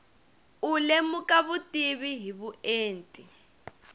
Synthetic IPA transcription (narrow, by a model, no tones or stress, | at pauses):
ulemukʼaβutʼiβiɦiβueːntʼi